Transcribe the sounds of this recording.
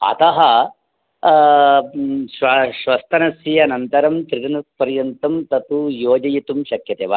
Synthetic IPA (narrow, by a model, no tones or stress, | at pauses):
ɐ̰t̪ɐɦɐ | ʃʋɐʃʋɐst̪ʰɐnɐsjijɐnɐnt̪ɐɾɐmt̪ɾiɾɐnɐpɐɾjɐnt̪ɐmt̪ɐt̪ujoːd͡ʒɐjit̪umʃɐkjɐt̪eːʋaː